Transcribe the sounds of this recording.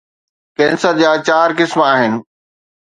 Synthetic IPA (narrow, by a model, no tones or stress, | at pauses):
kɛ̃ːnsəɾd͡ʑaːt͡ɕaːɾkɪsmaːɦɪnɪ̆